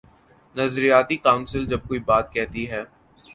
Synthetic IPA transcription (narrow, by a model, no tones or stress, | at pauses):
nɐzɾijaːt̪ikaːʊnsɪld͡ʒɐb̚koːibaːt̪̚kɛɦt̪iɦɛː